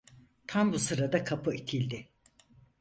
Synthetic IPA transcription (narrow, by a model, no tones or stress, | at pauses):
t̪ʰambusɯɾad̪akʰapʰɯit̪ʰilʲd̪ɪ